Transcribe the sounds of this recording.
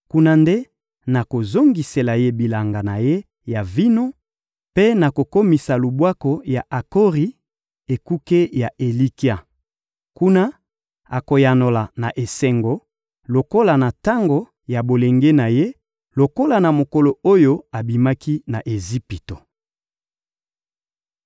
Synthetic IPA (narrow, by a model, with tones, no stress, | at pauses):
ku˦na˦nde˦ | na˨ko˨zo˦ŋɡi˨se˨la˨je˦bi˨la˨ŋɡa˨na˨je˦ | ja˨vi˦no˦ | pe˦na˨ko˨ko˦mi˨sa˨lu˨bwa˦ko˨ja˨ʔa˨ko˦ʁi˨˦ | e˨ku˦ke˦ja˨ʔe˨li˦ki˦a˦ | ku˦na˦ | a˨ko˨ja˨no˨la˨na˨ʔe˨se˨ŋɡo˦ | lo˨ko˦la˨na˨ta˦ŋɡo˨ | ja˨bo˨le˨ŋɡe˦na˨je˦ | lo˨ko˦la˨na˨mo˨ko˨lo˨o˦jo˦a˨bi˨ma˦ki˦na˨ʔe˨zi˦pi˨to˨